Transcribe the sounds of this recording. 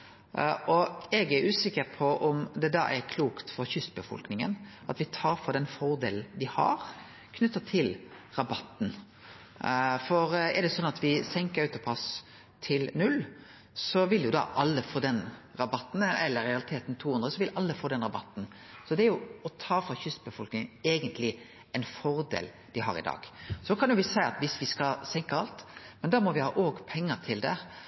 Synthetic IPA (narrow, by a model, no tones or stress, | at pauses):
ʔɔɛɡæɾʉːsɪkːəɾpʰɔʔɔmd̪ɛd̪ɑ̰ːʔɛɾkʰluːkt̪fɔɾçʏst̪bəfɔ̰lknɪŋə̰n | ɑt̪ʋɪt̪ʰɑːɾfɔɾd̪ɛnfɔɾd̪ḛːlnd̪ɪhɑ̰ɾ | kʰnʉt̪ːɑt̪ʰɪlɾɑbɑt̪ːn̩ | fɔɾɛ̰d̪ɛsɔnːɑt̪ʋɪsɛŋkəɾʉt̪ɔpʰɑs | t̪ʰɪlnʉlː | sɔʋɪljʊd̪ɑ̰ʔɑlːəfoːd̪ɛnɾɑbɑt̪ːn̩ɛlːəɾɛɑlɪt̪ʰeːt̪n̩t̪ʰuːhʉnɾəsɔʋɪlʔɑlːəfoːd̪ɛnɾɑbɑt̪ːn̩ | sɔd̪ɛæɾjʊɔt̪ʰɑːfɾɑçʏst̪̚bəfɔlknɪŋeːɡənt̪ʰlɪ | ɛnfɔɾd̪ḛːl | d̪̥ɪɦɑ̰ɾɪ̰d̪ɑ̰ːɡ̥sɔkʰɑnjʊʋɪsæɪɑt̪ʋɪsʋɪskɑsɛŋkəɑlt̪mɛnd̪ɑːmɔʋɪhɑ̰ːʔoːɡpʰɛŋːət̪ʰɪld̪ɛ